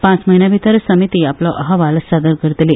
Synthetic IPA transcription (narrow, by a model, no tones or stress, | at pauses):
pãt͡sməɦinjaʋit̪əɾsəmit̪iaplɔʔəɦəʋalsad̪əɾkəɾt̪li